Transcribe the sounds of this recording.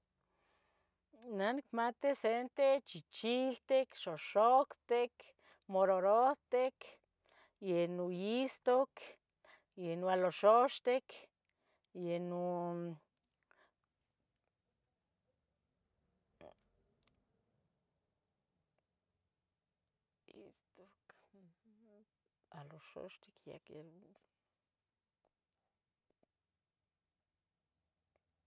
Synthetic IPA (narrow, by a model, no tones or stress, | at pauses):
nanikmat̪isent̪et͡ʃit͡ʃilt̪ekʃoʃokt̪ek | moɾoɾoht̪ek | jenujist̪ok | jenwaloʃoʃt̪ek | jenu | ḭst̪ok | aloʃo̰ʃt̪ikja̰kjel